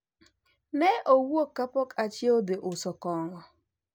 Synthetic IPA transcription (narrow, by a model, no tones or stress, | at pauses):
neʔowuokapɔkat͡ʃiodɪʔʊsɔkɔŋɔ